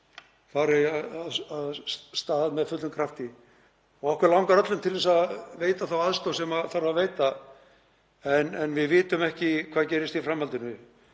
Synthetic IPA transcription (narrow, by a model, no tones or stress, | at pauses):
faɾɪaðaaðst̪aːððmɛðfʏt̪lʏmkʰɾaft̪ɪ | ɔɣɔhkvɛɾlawŋkaɾœt̪lʏmt̪ʰɪlvɛsaðveːjt̪aθawaðst̪owsɛmaθaɾaveːjt̪a | ɛnɛnvɪðvɪːt̪ʏmɛhcɪkʰv̥aːðcɛːɾɪst̪ifɾamhalt̪ɪnʏ